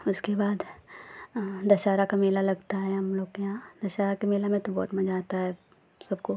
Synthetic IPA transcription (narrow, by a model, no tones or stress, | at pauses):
ʊskebaːd̪ | d̪ɐʃaːɾakameːlalɐɡt̪aɦɛɦɐmloːɡjɦãːd̪ɐʃaːɾakameːlamẽt̪obɔ̰ːt̪mɐd͡ʒaːt̪aɦɛ | sɐbko